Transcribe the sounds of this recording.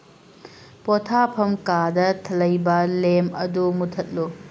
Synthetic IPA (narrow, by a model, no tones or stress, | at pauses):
potʰapʰɐmkadɐtʰɐlɐjbɐlemɐdumutʰɐt̚lu